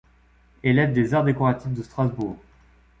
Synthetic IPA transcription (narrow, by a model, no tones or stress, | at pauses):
elɛvd̪ezaʁd̪ekɔʁat̪ifd̪əst̪χazbuːʁʁ